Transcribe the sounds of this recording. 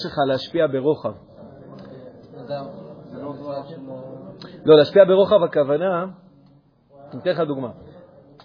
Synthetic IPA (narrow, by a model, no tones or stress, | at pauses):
ʃelχalehaʃpiabe̞ʁo̞χav | lo̞leaʃpiabe̞ʁo̞χavakavana | imtenlχad̪uɡma